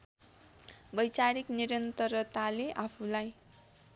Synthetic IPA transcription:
bʌjt͡saɾikniɾʌnt̪ʌɾʌt̪aleʔapʰulaj

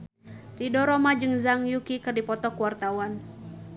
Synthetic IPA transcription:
ridɔɾɔmad͡ʒɨŋzaŋjukikɨrdipɔt̪ɔkuwart̪awan

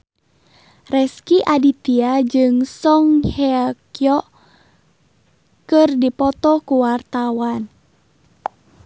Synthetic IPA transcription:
rɛskiʔadit̪iad͡ʒɨŋsɔŋheakjɔʔ | kɨrdipɔt̪ɔkuwart̪awan

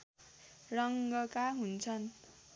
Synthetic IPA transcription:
rʌŋɡʌkaɦunt͡sʰʌn

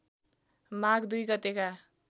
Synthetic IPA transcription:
maɡd̪ujɡʌt̪eka

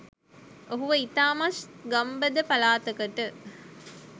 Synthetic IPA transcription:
oɦuʋəit̪aːmasɡɐmbəd̪əpalaːt̪əkəʈə

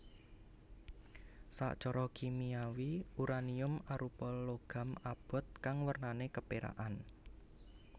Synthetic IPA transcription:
sa̰ʔt͡ʃɔɾɔkimiawiuɾaniʊmaɾʔupɔloɡ̥ä̤mab̥ɔ̤t̪̚kaŋwərnanekəpeɾa̰ʔan

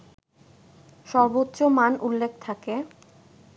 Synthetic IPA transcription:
ʃɔɾbotːɕomanʔulːek̚ʰt̪ʰake

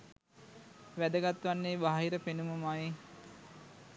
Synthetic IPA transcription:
ʋæd̪əɡat̪ʋanːeːbaɦɦiɾəpenuməmaji

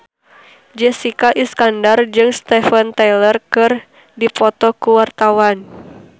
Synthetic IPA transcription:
d͡ʒɛsikaʔiskandard͡ʒɨŋst̪ɛfənt̪alərkɨr | dipɔt̪ɔkuwart̪awan

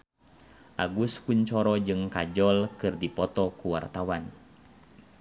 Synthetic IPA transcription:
ʔaɡuskuɲt͡ʃɔɾɔd͡ʒɨŋkad͡ʒɔlkɨrdipɔt̪ɔkuwa̰rt̪awan

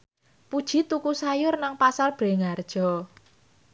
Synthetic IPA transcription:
pud̥ʒ̥i̤t̪ukusajʊrnaŋpasalb̥ɾe̤ŋard̥ʒ̥ɔ̤

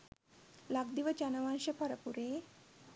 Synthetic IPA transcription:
laɡd̪iʋət͡ɕanəʋãnɕəpʰəɾəpuɾe

